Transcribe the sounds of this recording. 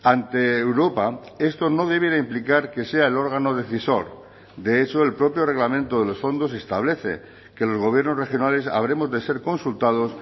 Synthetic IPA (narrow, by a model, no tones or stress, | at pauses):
ant̪e̞ːwɾo̞pae̞st̪o̞no̞ð̞e̞β̞jeɾaimplikaɾke̞se̞aelo̞ɾɣ̞ano̞ð̞e̞θiso̞ɾ | d̪e̞et͡ʃo̞e̞lpɾo̞pjore̞ɣlamẽ̞nt̪oðe̞lo̞sfo̞nd̪o̞s̬e̞st̪aβ̞le̞θe̞̰ | ke̞lo̞zɣo̞β̞je̞ɾnore̞xjo̞nale̞sa̰β̞ɾe̞mo̞zðe̞se̞ɾko̞nsult̪að̞o̞s